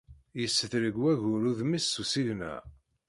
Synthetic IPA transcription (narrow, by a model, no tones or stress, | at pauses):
jəsːəθɾəɡwæʝʊɾuðmisːusiʝnæ̰